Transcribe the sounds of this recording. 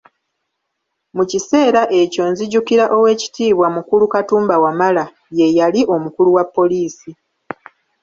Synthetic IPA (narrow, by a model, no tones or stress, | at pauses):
mucise̞ːɾaʔe̞co̞nziɟukiɾaʔo̞we̞ːci̥tiːβwamukulukatuːmbawamala | je̞jaliʔo̞mukuluwapːo̞liːsi